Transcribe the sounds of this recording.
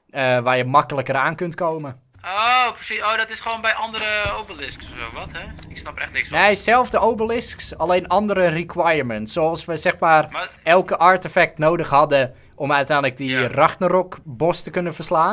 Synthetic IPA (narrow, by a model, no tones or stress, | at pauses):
əʋaːjəmɑkələkəraːnkøntkoːmə | oprəsisoːdɔtɪsχəʋoːnbɛjʔɑndəɾəowbəlɪsksɛʋɔthɛɪksnɑpɛxtnɪksnejsɛlˠfdəʔowbəlɪsksaleːnʔɑndəɾərikʰwajərmɛntsːoɑlˠsʋəsɛxmaːrɛlˠkəʔaɹtəfɛk̚tnoːdəxhɑdə | ʔɔmœɥtɛjnlək̚diraxtənərɔkbɔstəkønəfərslaːn